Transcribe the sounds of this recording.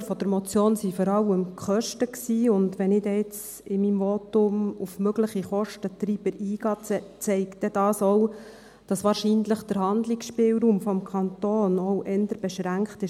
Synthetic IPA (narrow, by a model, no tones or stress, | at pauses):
fɔd̥̪əɾmɔt͡sjoːnsifɔɾɑləmkχœʃtəksiːʊndʋɛnɪdɛɪt͡s | ɪmimvotʊmufmøɡləχiχɔʃtətɾiːb̥əɾiːɡ̥ɑːt͡sɛɪkdɛd̥ɑːsɔw | d̥ɑsʋɑːɾʃiːnləχd̥əɾhɑnd̪lɪksʃpɪːwɾuːmfɔmkʰɑnt̪oːnɔwʔɛnd̪əɾb̥ɛʃɾæŋkχtɪʃ